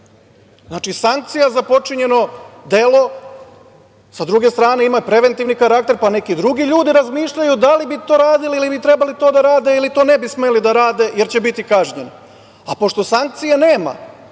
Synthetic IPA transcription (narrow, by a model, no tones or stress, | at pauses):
znaːt͡ʃisaŋk̚t̪sijazapo̞t͡ʂiɲe̞no̞d̪e̞lo̞ | sad̪ɾuɡe̞st̪ɾaːne̞imapɾe̞ʋe̞nt̪iʋnikaɾak̚t̪e̞ɾpane̞kid̪ɾuɡiʎuːd̪iɾazmiːʃʎajud̪alibit̪o̞ːɾaːd̪iliilibit̪ɾebalit̪o̞ːd̪aɾaːd̪e̞ilit̪o̞ːne̞bisme̞lid̪aɾaːd̪e̞je̞ɾt͡ɕe̞bit̪ikaːʒɲeno | apo̞ʃt̪o̞saŋk̚t̪sijeneːma̰